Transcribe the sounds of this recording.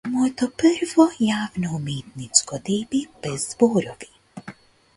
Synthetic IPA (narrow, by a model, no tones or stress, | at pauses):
mɔt̪ɔpəɾʋɔjaːwnɔumeːt̪nit͡skɔd̪eːbibɛzbɔːɾɔʋi